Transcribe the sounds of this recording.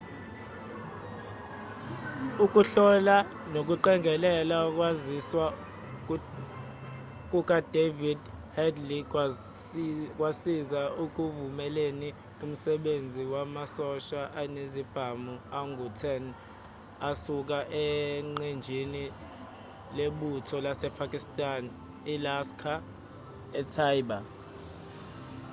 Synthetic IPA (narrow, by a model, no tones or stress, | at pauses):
uk̬ʼuɬɔla | nok̬ʼuǃɛŋʱɛlɛlak̬ʼwaziswa | k̬ʼuk̬ʼad̥ʱevidhɛdli | k̬ʼwasizauk̬ʼuvumɛleni | um̩sɛɓend͡zʱiwamasɔʃaʔanezib̥ʱamuaŋɡʱutʰɛn | asuk̬aʔɛŋ͡ǃend͡ʒʱini | leɓutʰɔlasɛpʰakʼistʼan | ilaskʰa | ɛtʰajɓa